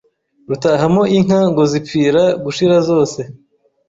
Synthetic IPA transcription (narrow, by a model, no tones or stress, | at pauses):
ɾutaɦamo̞ʔiŋ̥haŋɡozipfiːɾaɡuʃiɾazo̞ːse̞